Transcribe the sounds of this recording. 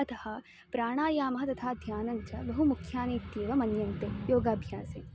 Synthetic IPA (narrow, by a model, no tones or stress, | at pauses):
ɐt̪ɐhɐ | pɾaːɽ̃aːjaːmɐɦɐt̪ɐt̪ʰaːd̪ʱjaːnɐnt͡ʃɐbɐɦumukʰjaːniːt̪jeːʋɐmɐnjɐnt̪ejoːɡaːbʱjaːse